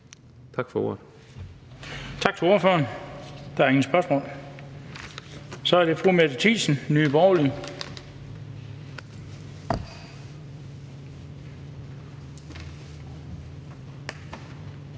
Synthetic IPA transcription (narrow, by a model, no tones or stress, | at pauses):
t͡sʰɑ̈ɡ̥fɒo̝̰d̥ | t͡sʰɑ̈ɡ̥̚t͡sʰe̝o̝ɐfø̰ɐnd̥ɑ̈æɐeŋ̩sb̥ɶɐsmɔ̰ːl | sɒ̽æɐɾ̥e̝fʁumed̥t͡sʰḭːsn̩nyːb̥ɒʊli